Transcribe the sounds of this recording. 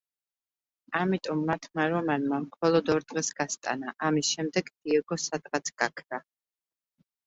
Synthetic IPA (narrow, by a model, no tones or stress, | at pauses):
amit̪ʼɔmːat̪ʰmaɾɔmanmamχɔlˠɔd̪ɔɾd̪ʁɛsɡast̪ʼa̰naʔamisʃɛmd̪ɛɡd̪̥iɛɡɔsat̪ʼqʼat̪sʰɡ̥akʰd̪a